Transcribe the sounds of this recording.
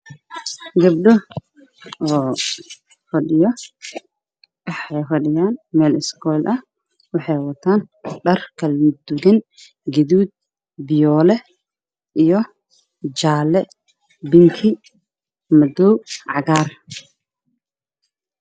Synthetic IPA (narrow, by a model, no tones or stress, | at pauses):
ɡɐb̚ɗɔ | ɔː | fɐɖɪjɔ | wɑħɛjfɐɖɪjaːnmɛːlɪskʰɔjlʔɐh | wɑħɑjwɐt̪ʰaːnɖɐrkʰɐlmd̪uɣɐn | ɡɛðuːd̪̚ | bɪjɔːlɛ | ʔijɔ | d͡ʒaːlɛ | bɪŋkʰɪ | mɐd̪ɔwʕɑɣaːr